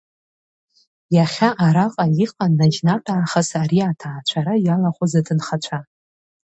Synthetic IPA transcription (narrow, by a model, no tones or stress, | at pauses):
jaχʲaʔaɾaqʼaiqʼanːaʒnaʈ͡ʂʼaːχasaɾiatʰaːt͡ʃʷʰaɾajalaχʷozatʰɨnχat͡ʃʷʰa